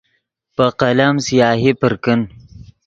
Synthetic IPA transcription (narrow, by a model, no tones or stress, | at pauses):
pəqɐlamsijɑːɦipəɾkən